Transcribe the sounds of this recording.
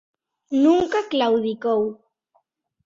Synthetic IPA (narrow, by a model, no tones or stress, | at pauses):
nʊŋkaklawd̪ɪkow